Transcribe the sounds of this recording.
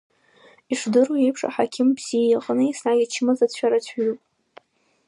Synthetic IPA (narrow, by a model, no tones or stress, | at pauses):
iʂdɨroepʰʂʼa̰ħakʲʰɪmbz̥ijjaqʼnɨisnʕajʲat͡ʃʰɪmazat͡ɕʷʰᶣaɾat͡ɕʷʰɥupʼ